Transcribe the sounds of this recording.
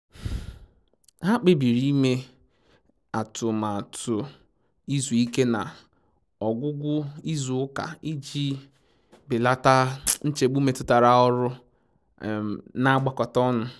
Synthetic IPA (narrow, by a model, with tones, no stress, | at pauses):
ɦa˦k͡pɪ˦bi˨ɾi˦me˦ | a˨tʊ˨ma˨tʊ˨ | i˦zu˨i˦ke˦na̰˨ | ɔ˨ɡʷʊ˦ɡʷʊ˦i˦zu˨ʊ˦ka̰˨i˦d͡ʒi˦ | bɪ˨la˦ta˦n̩˦t͡ʃe˨ɡ͡bu˦me˨tʊ˦ta˨ɾa˨ɔ˦ɾʊ˦˨ | na˦a˦ɡ͡ba˨kɔ˨tɔ˦nʊ˦